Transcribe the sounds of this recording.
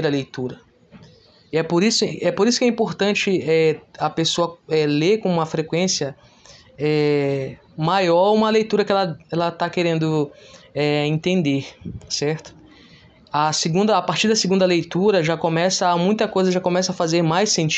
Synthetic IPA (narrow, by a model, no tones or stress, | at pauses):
ɾɐlejt̪uɾɐ | iɛpoɾisʊɛpoɾisʊkɛĩmpoɾt̪ɐ̃nt͡ʃɪɛɐpesoɐɛleɾkõũmɐfɾekwẽsjɐ | ɛ | majɔɾũmɐlejt̪uɾɐkɪɛlɐɛlɐt̪akeɾẽnd̪ʊɛẽnt̪ẽnd̪eɾsɛɾt̪ʊ̥ | ɐseɡũnd̪ɐapaɾt͡ʃiɾd̪ɐseɡũnd̪ɐlejt̪uɾɐʒakõmɛsɐamũj̃t̪ɐkojzɐʒakõmɛsɐɐfazeɾmajsẽnt͡ʃ